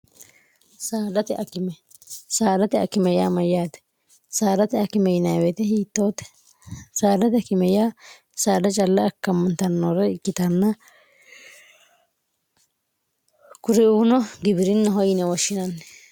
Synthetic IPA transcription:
saːd̪ɐt̪ɛʔɐkɪmɛ | saːd̪ɐt̪ɛɐ̰kːɪmɛja̰ːmɐjaːd̪ɛ̥ | saːd̪ɐt̪ɛɐkɪmɛjnɐjwɛt̪ɛhiːt̪ːoːt̪ːɛ̥ | saːd̪ɐt̪ɛɐkɪmɛjaː | saːd̪ɐt͡ʃʼɐlːɐːkːɐmɐnt̪ɐnːoːɾɛɪkːɪt̪ɐnːɐ | kʊɾɪuːnɔɡɪbɪɾɪnːɐɦɔjɪnɛwɔʃːɪnɐnːɛ

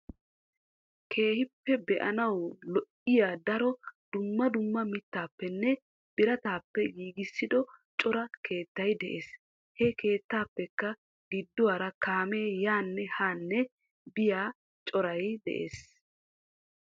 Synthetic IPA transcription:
kʰe̞ːhɪpːɛbɛʔɐnɐwlɔʔɪjaːd̪ɐɾɔd̪̥ʊmːɐd̪ʊmːɐmɪt̪ːaːpːɛnːɛ | b̥ɪɾɐt̪aːpːɛjiːɡɪsːɪd̪ɔt͡ʃʼɔɾɐke̞ːt̪ːɐjd̪ɛʔeːs | hɛkʰe̞ːt̪ːaːpːɛkːɐ | ɡɪd̪ːʊwaːɾɐkaːmeːjaːnːɛhaːnːɛ | bɪjaː | t͡ʃʼɔɾɐjd̪ɛ̰ʔḛːs

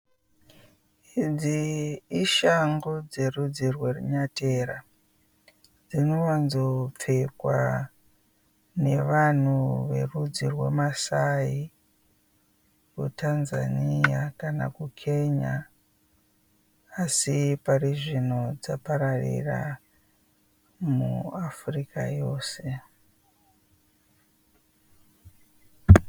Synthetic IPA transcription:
id͡ziː | ʃaŋɡod͡ze̞rud͡zirwe̞ruɲateːɾa | d͡zinoʋanzop͡fekwa | ne̞ʋan̤uʋe̞̰rud͡zirwe̞̰masai | kutʰanza̰nijakana̰kukʰe̞ɲa | asipariʐino̞d͡zapaɾarḭra̰ | muafrikajo̞ːse̞

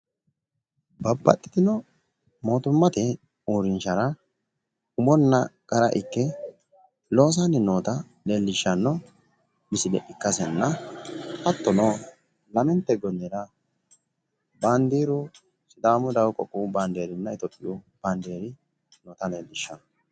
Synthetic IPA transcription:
bɐbːɐ̰t̪ʼːɪ̥t̪ɪnɔ | mo̞ːt̪ʊmːɐt̪ɛ | uːɾɪnʃɐɾɐ | ʊmɔnːɐkʼɐɾɐ̰ʔɪkːɛ | lo̞ːs̬anːɪnoːt̪ɐ | leːlːɪʃːɐnːɔ | mɪsɪd̪ɛ̰ʔɪkːɐsɛnːɐhɐt̪ːɔnoː | lɐmɛnt̪ːɛɡɔnːɛɾɐ | baːnd̪iːɾʊ | sɪd̪aːmʊd̪ɐwkʼɔ̰kʼːubaːnd̪eːɾɪnːɐɪt̪ɔpʼːɪub̥and̪eːɾɪ | noːt̪ɐneːlːɪʃːɐnɔ

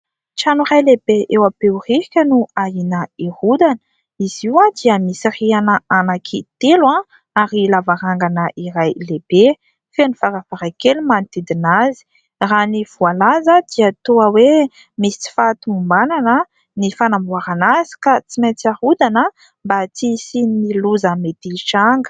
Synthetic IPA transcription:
t͡ʃanuɾajlebeʔewaperihikʲənuaɦinəihud̪anə | iz̥iwãd̪iəmisirianəanakʰit̪elã | aɾilavaɾaŋɡanəʔiɾajlebe | fenifaɾavaɾakelumant̪id̪inazi̥ | raniv̥ualazəd̪̥iat̪uəwe | misi̥t͡si̥fat̪umumbananə | nifanambuaɾanazi̥kat͡simet͡sahud̪anə | mbat͡sisininiluzamet̪iʃaŋɡə̥

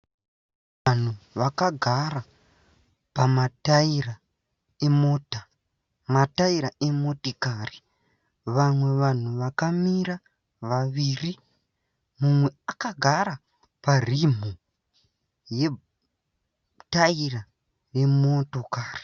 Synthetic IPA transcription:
ʋan̤uʋakaɡʱara | pamataira | emota | mataiɾaemo̞tikaːri | ʋamwe̞ʋan̤uʋakamiɾa | ʋaʋiːri | mumwe̞akaɡʱaɾa | parim̤o | je̞ | taira | ne̞motokaːri̥

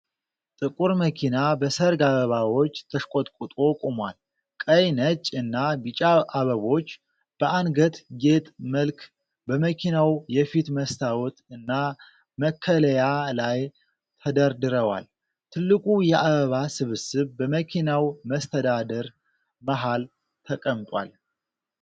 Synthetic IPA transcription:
t̪ʼɨkʼuɾməkʰinabəsəɾɡaβəβawo̞t͡ʃːt̪ʰəʃkʷʼot̪ʼkʼut̪ʼo̞kʼumwa̰l | kʼəjnət͡ʃʼɨnːabit͡ʃʼaʔaβəβo̞t͡ʃː | b̥əʔanɡət̪ɡet̪ʼməlkʰ | bəməkʰinawjɛfit̪məst̪ʰawɔt̪ɨnːa | məkʰːələjalaj | t̪ʰəd̪əɾd̪ɨɾəwa̰l | t̪ʰɨlːɨkʼujɛʔaβəβasɨβɨsɨβbəməkʰinawməst̪ʰəd̪ad̪əɾ | məɦal | t̪ʰəkʼəmt̪ʼwa̰l

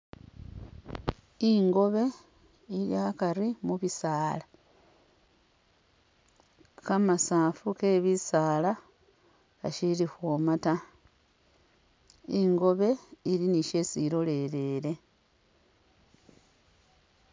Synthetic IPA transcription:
iŋɡo̞βe̞ | iɾjaːkaɾimuβisaːla | kamasaːfuke̞ːβisaːla | ka̰ʃiɾixwoːmata | iŋɡo̞βe̞iɾiniʃe̞ːsiɾo̞le̞ɾe̞ːɾe̞

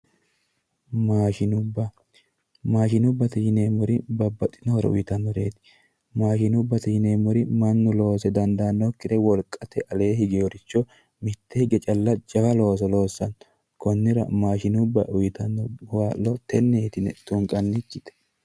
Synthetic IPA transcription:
maːʃɪnʊbːɐ | maːʃɪnʊbːɐt̪ɛhɪneːmʊɾɪbɐbːɐt̪ʼːɪnɔhɔɾɛ̰ʊ̰jɪt̪ɐnːɔɾe̞̰ːt̪ɪ̥ | maːʃɪnʊbːɐt̪ɛhɪne̞ːmɔɾɪmɐnːʊlo̞ːsɛd̪ɐnd̪aːnːɔkːɪt̪ɛwɔlkʼːɐt̪ɛʔɐle̞ːɦɪɡɛɔɾɪt͡ʃːɔ | mɪt̪ːɛhɪɡɛt͡ʃʼɐlːɐd͡ʒɐfɐlo̞ːs̬ɔlo̞ːsːɐn | kɔnːɪɾɐ̰maːʃɪnʊbːɐʔʊjɪt̪ɐnːɔwaːlːɔt̪ɛnːet̪ɪnɛ̰t̪ʊŋkʼɐnːɪkːɪt̪ɛ̥

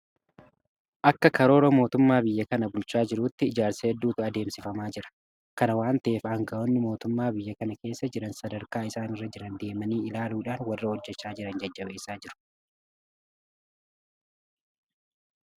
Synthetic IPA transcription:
ʔɐkːɐkɐɾo̞ːɾɐmo̞ːt̪ʊmːaːbɪjːɐkɐnɐbʊlt͡ʃaːd͡ʒɪɾuːt̪ːɪːd͡ʒaːɾsɐhɛd̪ːuːt̪ʊɐd̪e̞ːmsɪfɐmaːd͡ʒɪɾɐ̥ | kɐnɐwaːnt̪ɐʔeːfɐŋɡɐʔonːɪmo̞ːt̪ʊmːaːbɪjːɐkɐnɐke̞ːsːɐd͡ʒɪɾɐnsɐd̪ɐɾkaːɪsaːnɪrːɐd͡ʒɪɾɐnd̪e̞ːmɐniːɪlaːluːᶑaːnwɐrːɐhɔd͡ʒːɛt͡ʃːaːd͡ʒɪɾɐnd͡ʒɐd͡ʒːɐbe̞ːsaːd͡ʒɪɾʊ̥

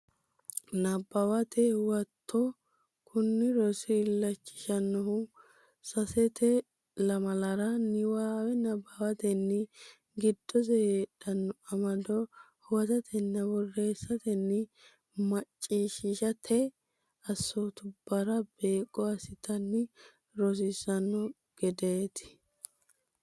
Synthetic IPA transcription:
nɐbːɐwɐt̪ɛwɐt̪ʰːɔ | kʰʊnːɪɾɔsɪːlːɐt͡ʃːɪ̥ʃɐnːɔhʊ | sɐsɛt̪ɛ | lɐmɐlɐɾɐnɪwaːwɛnɐbːɐwɐt̪ɛnːɪ | ɡɪd̪̥ːɔzɛheːᶑɐnːɔɐmɐd̪ɔ | hwɐt̪ɐt̪ʰɛnːɐbɔrːe̞ːsːɐt̪ɛnːɪ | mɐt͡ʃʼːiːʃɪʃɐt̪ʰɛ | ɐsːot̪ʊb̥ːɐɾɐbe̞ːkʼːɔɐsɪt̪ɐnːɪ | ɾɔs̬ɪsɐnːɔ | ɡ̥ɛd̪eːt̪ɪ̥

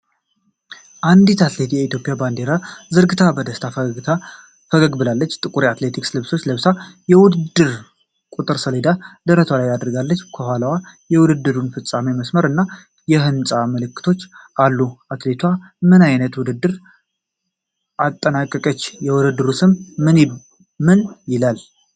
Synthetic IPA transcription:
ʔand̪it̪ʰat̪let̪jɛit̪jo̞pʼijaband̪e̞ɾazɨɾɡɨt̪ʰabəd̪əst̪ʰaa | fəɡəɡbɨlalːət͡ʃːt̪ʼɨkʼuɾiat̪le̞t̪ʰikslɨβso̞t͡ʃːlɨβsajɛwʊd̪ɨd̪ːɨɾ | kʼut̪ʼɨɾsəled̪ad̪əɾət̪ʰalajad̪ɾɡalːət͡ʃːkʰəhalawajɛwʊd̪ɨd̪ːɨɾunfɨt͡sʼːameməsməɾɨnːa | jɛɦɨnsʼaməlɨkːɨ̥t̪ʰo̞t͡ʃːʔalːuat̪le̞t̪ʰwa | mɨnajnət̪wʊd̪ɨd̪ːɨɾ | at̪ʼːənakʼːəkʼət͡ʃːjɛwʊd̪ɨd̪ːɨɾusɨmɨn | mɨnjɪlal

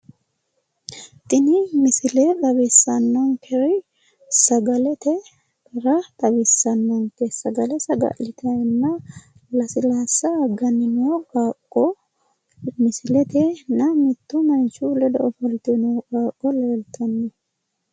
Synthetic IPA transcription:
t̪ɪnɪmɪsɪlɛɗ̪ɐbɪsːɐnːɔŋkʰɛɾɔ | sɐɡɐlɛt̪ɛ | kɐɾɐt̪ʼɐbɪsɐnːɔnt̪ɛsɐɡɐlɛsɐɡɐ̰lɪt̪ʰɐnːɐ | lɐsɪlaːsɐːɡɐnːɪnoːkaːkʼːɔ | mɪsɪlɛt̪ɛnɐmɪt̪ːʊmɐnt͡ʃːulɛd̪ɐʔɔfɔlt̪ɪnoːkaːkʼːɔleːlt̪ʰɐnːɛ

